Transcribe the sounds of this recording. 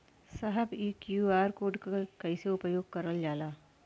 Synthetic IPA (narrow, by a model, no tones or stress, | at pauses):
sɐɦəbiːkjuːaːɾkoːɖkkɐɪseʊpəjoːɡ̚kɐɾəld͡ʒaːlaː